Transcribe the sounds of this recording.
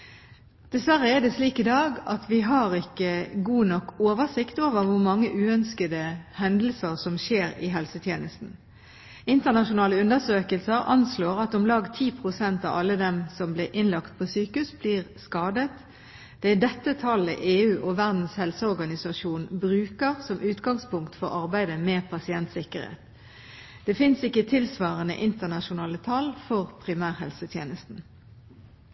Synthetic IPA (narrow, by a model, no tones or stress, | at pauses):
d̪̥ɛsʋæʁːəɛd̪ɛsliːkɪd̪ɑːɡɑt̪ʰʋɪɦɑʁɪkːəɡuːnɔkːoːʋəʁsɪkt̪oːʋəʁʋʊɾmɑŋːəʔʉːœnskəd̪əhɛnd̪l̩səʁsɔmʃeːɾɪ̰ɦɛlsət̪ʰjeːnəst̪n̩ | ɪnt̪əʁnɑʃʊnɑːləʉnəsøːkəlsəɾʔɑ̰nsloːʁɑt̪ɔmlɑːɡt̪ʰiːpʰʁʊsɛnt̪ɑ̰ʋɑlːəd̪ɛmsɔmblɪʔɪnlɑkt̪̚pʰɔsyːkʉsbliːʁskɑːd̪ət̪ | d̪̥ɛɪd̪ɛt̪ːət̪ʰɑlə̰ʔeːʉːʔɔʋæʁd̪n̩shɛlsəɔʁɡɑnɪsɑʂuːnbʁʉːkəʁsɔmʔʉːt̪ɡɑŋspʊŋkt̪fɔʁɑʁbæɪd̪əmeːpʰɑsɪɛnt̪sɪkəʁhḛːt̪ | d̪̥ɛfɪnsɪkːət̪ʰɪlsʋɑːʁənə̰ʔɪnt̪ənɑʃʊnɑːlət̪ʰɑlfɔʁpʰʁɪmæːʁɦɛ̰lsət̪ʰjeːnəst̪n̩